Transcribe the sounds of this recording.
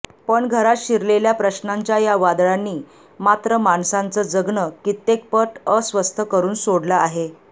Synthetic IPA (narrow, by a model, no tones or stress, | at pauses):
pəɳɡʱəɾat̪ɕiɾleljapɾəɕnaɲt͡ɕjajaʋad̪ɭanːiː | mat̪ɾəmaɳsãnt͡səd͡zəɡɳəkit̪ːek̚pəʈəsʋəst̪ʰəkəɾuːnsoɽləaɦe